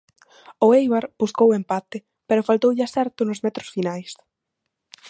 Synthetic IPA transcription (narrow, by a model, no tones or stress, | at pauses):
ʊejβaɾbuskowempat̪ɪ | peɾʊfalt̪owʎasɛɾt̪ʊnʊzmɛt̪ɾʊ̥sfinajs